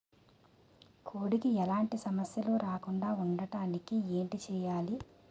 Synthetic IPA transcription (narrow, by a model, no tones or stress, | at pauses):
kʰoːɽikiɛlaːɳʈisɐmɐsjɐluːɾaːkuɳɖaːuɳɖɐʈaːnikieːɳʈit͡ʃɛːjaːli